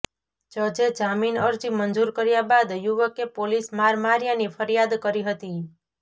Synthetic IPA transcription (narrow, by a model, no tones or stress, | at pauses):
t͡ʃəd͡ʒed͡ʒaminəɾd͡ʒimənd͡ʒuɾkəɾjabad̪juʋəkepolismaɾmaɾjanifʰəɾjad̪kəɾiɦət̪i